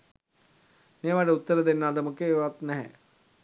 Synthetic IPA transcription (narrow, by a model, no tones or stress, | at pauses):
meːʋaɖəut̪ːəɾəd̪enːad̪əməkeːʋat̪nɛɦɛ̰